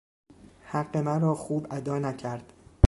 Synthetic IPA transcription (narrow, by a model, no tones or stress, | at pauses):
hæɢːe̞mæɾɒːxuːbæd̪ɒːnæcʰæɾd̪̥